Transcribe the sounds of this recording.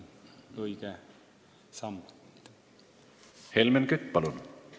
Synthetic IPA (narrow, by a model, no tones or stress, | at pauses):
oikæ | sɑmː | helmenkyt̪ːpɑlun